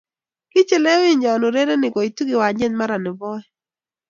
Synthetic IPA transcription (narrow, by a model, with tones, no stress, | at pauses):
kɪ˦t͡ʃɛ˦lɛ˦wɪ˦ɲa˨nʊ˨ɾe˦ɾe˦nɪ˨ɡɔ˨i˨tu˦ɡɪ˨wa˨ɲɛ˦nma˦ɾa˨nɪ˨bɔ˦ɛ˦